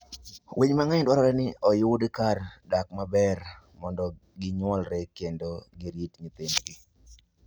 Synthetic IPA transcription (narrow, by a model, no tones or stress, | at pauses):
weɲmaŋajdwaɾɔɾɛnɪɔjʊdkardakmabɛr | mɔndɔ | ɡɪɲwɔlɾɛkendoɡɪɾjitɲɪt̪ɪnɡɪ